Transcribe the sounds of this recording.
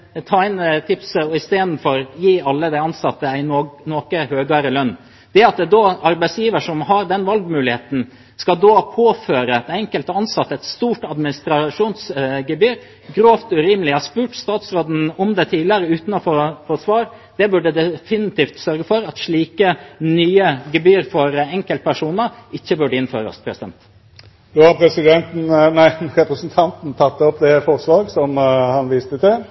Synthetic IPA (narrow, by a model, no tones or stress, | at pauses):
t̪ʰɑːɪnt̪ʰɪpsəɔɪst̪eːd̪n̩fɔɾjiːɑlːəd̪æɪɑnsɑt̪ːəæɪnoːkəhøːɡɑɾəlœnː | d̪̥ɛɑt̪d̪ɛd̪oːɑɾbæɪsjiːʋəʂɔmhɑɾd̪ɛnʋɑlɡmʉːlɪheːt̪n̩ | skɑd̪oːpʰoːføːɾəɛt̪ɛŋkəlt̪əɑnsɑt̪ːəɛt̪st̪uːʈɑd̪mɪnɪst̪ɾɑʂuːnsɡəbyːɾ | ɡɾoːft̪ʉɾiːməlɪhɑʂpʉːʈst̪ɑːt̪sɾoːd̪n̩ɔmd̪ɛt̪ʰiːlɪəɾəʉːt̪nɔfɔfosʋɑːɾ | d̪̥ɛbʉɖəd̪ɛfɪnɪt̪ʰiːft̪sœɾɡəfɔɾɑt̪ʂɭiːkənyːəɡɛbyːɾfɔɾɛŋkəlt̪̚pʰæʂuːnəɾɪçːəbʉɖəɪnfø̰ːɾə̰spʰɾɛsɪd̪ɛ̰nt̪ | d̪oːhɑpʰɾɛsɪd̪ɛnt̪n̩næɪnɾɛpɾəsn̩t̪ʰɑnt̪n̩t̪ʰɑt̪ːɔpd̪ɛfɔʁsʋɑːɡsɔmhɑnʋiːst̪ət̪ɪl